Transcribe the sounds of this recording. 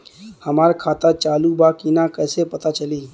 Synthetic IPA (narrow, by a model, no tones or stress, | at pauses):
həmaɾkʰat̪at͡ʃalubakinakəɪsepət̪at͡ʃəli